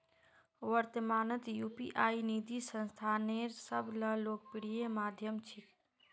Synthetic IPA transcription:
ʋəɾt̪əmaːnət̪juːpḭʔaːinid̪ʱisə̃nst̪ʰaːneɾsəbʱləloːk̚piɽijemaːd̪ʱjəmt͡ʃʰik

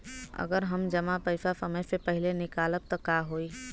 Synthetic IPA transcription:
ə̰ɡəɾɦəmd͡ʒəmapəjsasəməjsepəɦilenɪkaːləb̚t̪ɔkaɦoi

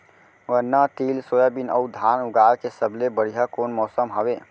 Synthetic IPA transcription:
wənːət̪iːlsojəbinə̰ʊd̪ʱanuɡaɾkesəblebəɽiɦakoːnmɔːsəmɦɔbe

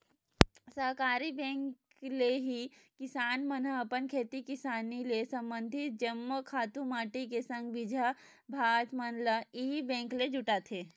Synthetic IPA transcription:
səɦkaːɾibɛ̃ːŋk | leɦikɪsaːnmənəɐpənkʰeːt̪ikɪsaːnilesɐ̃mbə̃nd̪ʱɪt̪d͡ʒəmːəkʰaːt̪ũmaːʈikesə̃ŋɡʋɪd͡ʒʱa | bʱaːt̪mənləibɛ̃ːŋkled͡ʒʊʈat̪ʰeː

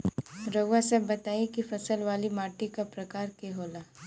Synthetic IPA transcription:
ɾoːɡasɐbːɐt̪aːikifɐsəlʋaːlimaːʈikapɾɐkaːɾkeɦoːlaː

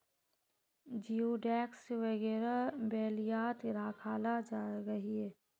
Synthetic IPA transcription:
d͡ʒioɖɛːksʋɐɣɛːɾabɛːlijaːt̪ɾaːkʰaːlad͡ʒaɡɐɦiɦɛː

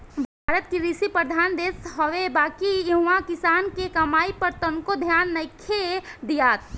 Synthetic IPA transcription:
bʱaːɾət̪̚kiɾisipɾəd̪ʱaːnd̪eːsɦəʋebaːkijɐɦʊãkɪsaːnkekɐmaːipəɾt̪əŋkod̪ʱjaːnːɐɪkʰed̪ijaːt̪

